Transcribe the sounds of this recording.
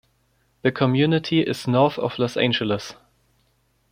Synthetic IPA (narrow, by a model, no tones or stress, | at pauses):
ðəkʰɔmjʉnɪtʰiʔɪz̥nɔθɔ̰v̥lɔsḛ̃ɪ̃nd͡ʒələs